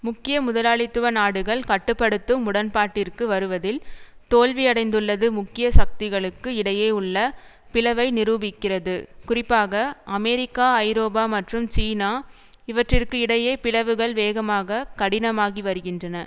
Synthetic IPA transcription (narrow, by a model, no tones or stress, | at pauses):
mʊkːɪjɐmʊðɐlaːɭɪt̪ːɯʋɐnaːɽɯɣɐɭkɐʈːɯpːɐɽɯt̪ːɯmʊɽɐnpaːʈːɪrkɯʋɐɾɯʋɐðɪlt̪oːɭʋɪɐɽɐɪnd̪ɯɭːɐðɯmʊkːɪjɐsɐk̚t̪ɪɣɐɭɯkːɯɪɽɐjeːʊɭːɐ | pɪlɐʋɐɪnɪɾuːbɪkːɪrɐðɯkʊrɪpːaːɣɐɐmɛːɾɪkːaːɐɪɾoːbaːmɐʈrɯmt͡ʃiːnaː | ɪʋɐʈrɪrkɯɪɽɐjeːpɪlɐʋɯɣɐɭʋeːɣɐmaːɣɐkɐɽɪnɐmaːɣiʋɐɾɯɣɪndrɐnɐ